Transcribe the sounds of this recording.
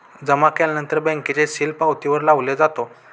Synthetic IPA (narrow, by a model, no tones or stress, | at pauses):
d͡zəmakɛlanənt̪əɾbɛ̃ŋkit͡ɕeɕilpawt̪iʋəɾlaʋled͡zat̪o